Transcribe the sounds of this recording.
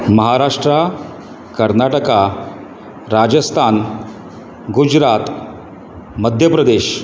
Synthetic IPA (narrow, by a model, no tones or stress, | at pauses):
məɦaɾaʂʈɾa | kəɾnaʈəka | ɾad͡ʑəst̪ʰan | ɡud͡ʑɾat̪ | məd̪ʱjəpɾəd̪eɕ